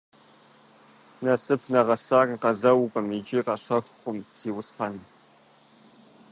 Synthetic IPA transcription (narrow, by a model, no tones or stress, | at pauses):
nɐsɨpʰnɐʁɐsaːriqɐzɐwkʷʼɐmid͡ʒiqɐɕɐxʷχʷʊmpz̥iːwʊsχɐn